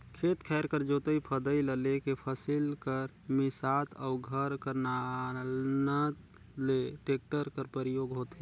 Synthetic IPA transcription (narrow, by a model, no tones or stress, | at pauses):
kʰet̪kʰɛːɾkəɾd͡ʒoːt̪əipʰəd̪əiləlekepʰəsilkəɾ | mɪsat̪ʰəʊɡʱəɾkəɾnalnət̪ | leʈeːk̚ʈəɾkəɾpəɾjoɡɦot̪e